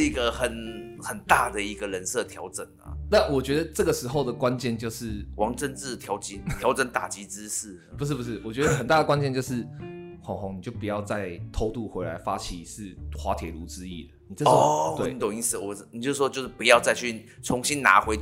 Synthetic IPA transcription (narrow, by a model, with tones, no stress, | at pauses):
i˧˦˥ɡə˧xə˨˩n | xə˨˩nt̪a˥˩d̪ə˩i˧˦ɡə˧ɻə˧˦nsɤ˥˨˩t̪ʰjɑ˧˥ʊʈ͡ʂə˨˩nə̰˦na˥˩nwɔ˨˩t͡ɕɥɛ˧˥d̪ə˨ʈ͡ʂɤ˥˩ɡə˩ʂɻ̩˧˥xo˥˩ʊd̪ə˩kwa˦nt͡ɕjɛ˥˧˨nt͡ɕjo˥˧ʊʂɻ̩˥˩wɑ˧˥ŋʈ͡ʂə˥˧nt͡s̩˥˩t̪ʰjɑ˧˥ʊt͡ɕi˧˥t̪jɑ˧˥ʊʈ͡ʂə˧˦nt̪a˨˩t͡ɕi˧˥t͡sɻ̩˦ʂ̩˥˩ | pu˧ʂɻ̩˥pu˧˩ʂ̬ɻ̩˥˩wɔ˨˩t͡ɕɥɛ˧˥d̪ə˧xə˨nt̪a˥˩də˩kwa˥nt͡ɕjɛ˥˧nt͡ɕjo˥˧ʊʂɻ̩˥˩xo˧˥ŋxɔ˧˥ŋni˨˩jo˥˩ʊpu˨˩jɑ˥˧ʊt͡sa˥˩ɪt̪ʰo˥˧ʊt̪u˥˨˩xwe˧˥ɪla˧˥ɪfa˥t͡ɕʰi˨˩ʂɻ̩˥˩xwa˧˥t̪ʰjɛ̰˨˩lu˧˥t͡sɻ̩˧˥ḭ˥˩d̪ə˩ni˨˩ɤ˥˩˥t̪we˥˩ɪ˦nt̪õ˨˩ŋi˧˥˩s̩˥˩wɔ˨˩˥ni˨t͡ɕo˥˧˥wɔ˦t͡ɕjo˥˧ʊʂ̩˥˩pu˧˦jɑ˥˧ʊt͡sa˥˧ɪt͡ɕʰy˥˩t͡sʰʊ˧˦ŋɕi˦˥nna̰˧˥xwe˧˥ɪ